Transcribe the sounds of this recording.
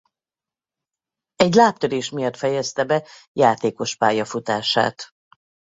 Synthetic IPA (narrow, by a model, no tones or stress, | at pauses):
ɛɟlaːpt̪ød̪eːʃmijɒt̪fɛjɛst̪ɛbɛjaːt̪eːko̞ʃpaːjɒfut̪aːʃa̰ːt̪